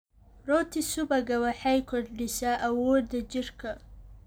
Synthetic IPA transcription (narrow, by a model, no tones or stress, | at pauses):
rɔːt̪ʰɪsʊbɐɣɐwɑħɑjkʰɔrɖɪʃaːʔɐwɔːd̪ːɐt͡ʃɪrkʰɐ